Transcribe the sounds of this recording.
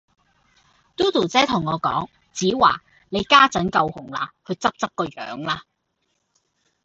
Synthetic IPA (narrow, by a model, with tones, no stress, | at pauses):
t̪uː˥t̪uː˨˩t͡sɛː˥t̪ʰʊ˨˩ŋːɔː˨˧kɔ̰ː˨˥ŋ | t͡siː˨˥waː˨˩ | ne˨˧jkaː˥t͡sɐ˨˥nkɐ˧whʊ˨˩ŋla̰ː˧hɵ˨˧ɥt͡sɐ˥p̚t͡sɐ˥k̚kːɔː˧jœ̰ː˨˧ŋlaː˧